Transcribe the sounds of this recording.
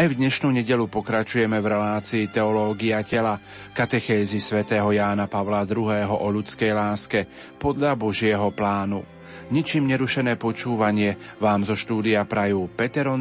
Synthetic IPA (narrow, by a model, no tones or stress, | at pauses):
ajvd̪ɲɛʃnuɲɛɟɛʎupɔkɾat͡ʃujɛmɛvɾɛlaːt͡siːt̪ɛɔlɔːɡiacɛla | kat̪ɛxɛːzisʋɛt̪ɛːɦɔjaːnapaʋlad̪ɾuɦɛːɦɔʔɔʎut͡skɛjlaːskɛ | pɔd̪ʎabɔʒɪɛɦɔplaːnu | ɲit͡ʃiːmɲɛɾuʃɛnɛːpɔt͡ʃuːʋaɲɪɛ | ʋaːmzɔʃt̪uːd̪iapɾajuːpɛt̪ɛɾɔn